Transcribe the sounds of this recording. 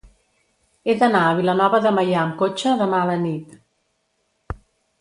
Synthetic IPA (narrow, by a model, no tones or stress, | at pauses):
eðənaəβ̞ilənɔβəðəməjaəmkot͡ʃəðəmaələnit̪